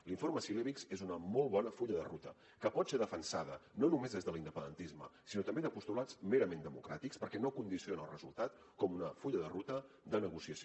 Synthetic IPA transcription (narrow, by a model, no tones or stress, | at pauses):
liɱfoɾməsileβikzezunəmɔlˠβɔnəfuʎəðərut̪ə | kəpɔt̪seðəfənsa̰ðənonumezezðəlind̪əpənd̪ənt̪izməsinot̪əmbeðəpust̪ulat͡smeɾəmend̪əmukɾat̪ikspəɾkɛnokund̪isionəːlrəzulˠt̪at̪ | kɔmunəfuʎəðərut̪ə | d̪ənəɣusiəs